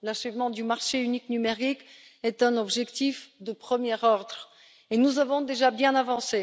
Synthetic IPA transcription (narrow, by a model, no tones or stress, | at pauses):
laʃəvmɑ̃d̪ymaʁʃeyniknymeʁik | ɛt̪ɛ̃nɔbʒɛkt̪ifd̪əpχəmjɛʁɔʁd̪ʁ | enuzavɔ̃d̪eʒabjɛ̃navɑ̃se